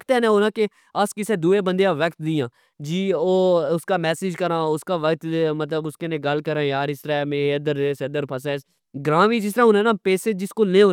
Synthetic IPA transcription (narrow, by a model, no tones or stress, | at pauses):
kt̪ɛ̃ːnɛ̃ːɦoːnãːke | əskɪsẽːd̪uːeːbə̃nd̪ejãːʋəkt̪d̪ɪjãː | d͡ʒiːoːʊskaːmɛːseːd͡ʒkəɾãːʊskaːʋəkt̪mət̪ləbʊskenẽːɡəlkəɾãːjaːɾɪst̪əɾãːmẽːəd̪əɾesəd̪əɾpʰəsɛ̃ːs | ɡɾãːʋiːd͡ʒɪs̬t̪əɾãːɦõnɛ̃ːnaːpeːseːd͡ʒɪskoːlẽːoː